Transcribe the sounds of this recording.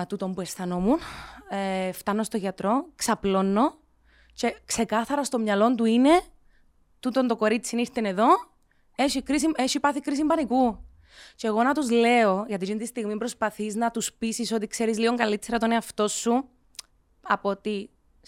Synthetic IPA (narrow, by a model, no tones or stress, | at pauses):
t̪ut̪o̞mbue̞sθɐno̞muneft̪ɐnːo̞st̪oʝɐt̪ɾo̞ksɐplo̞nːo̞ | ce̞kse̞kɐθɐɾɐst̪o̞mɲɐlo̞nt̪uine̞ | t̪ut̪o̞nt̪o̞ko̞ɾit͡sːiniɾt̪ene̞ðo̞ | e̞ʃikɾis̬imeʃipɐθikɾis̬imbɐniku | ceɣo̞nɐt̪uzle̞o̞ʝɐt̪̬id͡ʒint̪ist̪iɣmipɾo̞spɐθiznɐt̪uspisiso̞t̪ikse̞ɾizlio̞ŋɡɐlit̪seɾɐt̪oneɐft̪o̞sːu | ɐpot̪i